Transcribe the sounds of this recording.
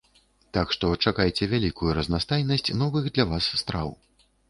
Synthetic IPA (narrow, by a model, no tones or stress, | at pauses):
t̪akʂt̪ɔt͡ʂakajt͡sʲɛvʲalʲikujuɾɐznast̪ajnɐsʲt͡sʲnɔvɨxd̪lʲavasːt̪ɾaw